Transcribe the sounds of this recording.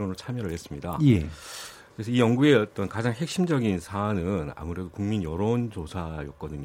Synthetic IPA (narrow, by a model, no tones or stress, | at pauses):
onɯɭt͡ɕʰamjʌɾɯɭhe̞s͈ɯmɲidajekkɯɾe̞sʰʌijʌŋɡue̞ʌt͈ʌnkad͡ʑaŋhe̞k̚ɕ͈imd͡ʑʌɡinsʰaːnɯna̰muɾe̞dokuŋminjʌɾount͡ɕosʰajʌk̚k͈ʌdɯɲ